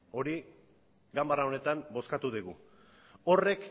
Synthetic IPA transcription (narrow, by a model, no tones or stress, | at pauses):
o̞ɾi | ɡambarao̞ne̞t̪ambo̞skat̪uðiɣu | o̞rek